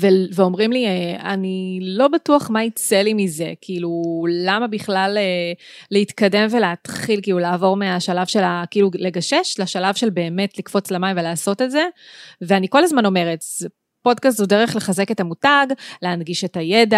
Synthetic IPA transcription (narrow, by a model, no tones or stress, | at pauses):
veveo̞mʁimliea̰nilo̞batuaχmait͡selimize̞kʰiːlulamabiχlaleː | eitkade̞mveleːt̪χilkiːlulaːvo̞ʁmeaʃalavʃe̞lakiiːlule̞ɡaʃe̞ʃlaʃalavʃe̞lbe̞ːme̞tlikfo̞t͡slemaimvelaːso̞te̞tze̞veaniko̞lazmano̞me̞ʁet | po̞dkas̬tude̞ʁeχle̞χaze̞ke̞tamutaɡleanɡiʃe̞tajeda